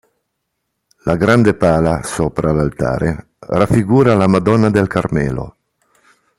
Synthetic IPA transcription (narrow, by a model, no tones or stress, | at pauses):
laɡɾand̪epaːlasopɾalalt̪a̰ːɾe | rafːiɡuːɾalamad̪ɔnːad̪elkʰaɾmɛ̰ːlo̰